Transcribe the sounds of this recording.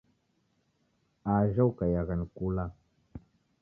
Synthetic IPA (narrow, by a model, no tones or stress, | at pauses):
aʒawkajaɣankula